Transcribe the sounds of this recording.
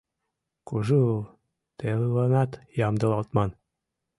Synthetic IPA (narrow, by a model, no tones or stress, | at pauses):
kuʒul | t̪elɯlɑnɑt̪jɑmd̪ɤlɑlˠt̪mɑn